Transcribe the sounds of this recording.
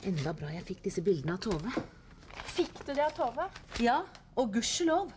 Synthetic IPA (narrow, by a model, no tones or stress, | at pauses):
ʔɛnd̪ɑbɾɑːjæɪfɪk̚ːd̪ɪsːəbɪld̪ənəɑʋt̪ʰoːʋə | fɪkːd̪ʉd̪ɛɑʋt̪ʰoːʋəjɑː | ɔɡʉʂəloːʋ